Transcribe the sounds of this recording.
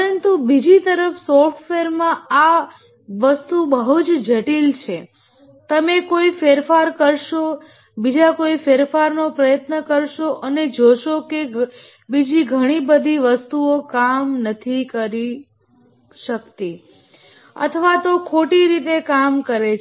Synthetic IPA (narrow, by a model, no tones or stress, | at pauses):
əɾənt̪ubid͡ʒit̪əɾəfsɔɾʈfeɾmãa | ʋəst̪ubəɦut͡ʃd͡ʒəʈilt͡ʃʰe | t̪əmekoifeɾfaɾkəɾʃo | bid͡ʒakoifeɾfaɾnopɾəjət̪nəkəɾʃoʔəned͡ʒoʃoke | bid͡ʒiɡʱəɽ̃ibəd̪ʱiʋəst̪uokamnət̪ʰikəɾi | ʃəkt̪i | ə̰t̪ʰəʋat̪okʰoʈiɾit̪ekamkəɾet͡ʃ